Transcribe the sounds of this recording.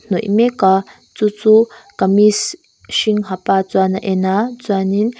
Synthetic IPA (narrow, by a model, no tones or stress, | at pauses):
nujmeka | t͡sut͡sukamis | ʃiŋɦapat͡swanaʔenat͡swanin